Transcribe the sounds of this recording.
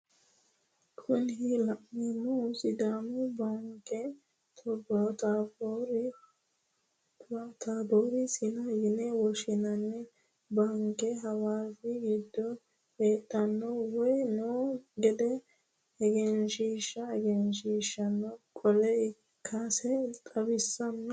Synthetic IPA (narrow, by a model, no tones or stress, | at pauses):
kʰʊnɦɪlɐʔmimɔʊsɪd̪aːmɔbaŋkːɛ | t̪ʰɔbːɐt̪abɔɾ | at̪aːboːɾɪsɪnɐɡɪnɛwɔʃɪnɐnːɛ | bɐŋkːɛɦɐwaːfɪɡiːd̪ːɔ | eːt̪ʼːɐnːɔwɔjnoːɡɛd̪ɛ | ɛɡɛnʃiːʃːɐɛɡɛnʃiːʃːɐnːɔkʼɔlɛ | kʰɐsɛt̪ʼɐbɪsːɐn